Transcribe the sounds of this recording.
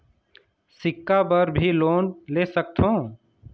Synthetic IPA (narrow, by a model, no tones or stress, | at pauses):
sɪkːapəɾbʱiloːnleːsək̚t̪ʰɦõː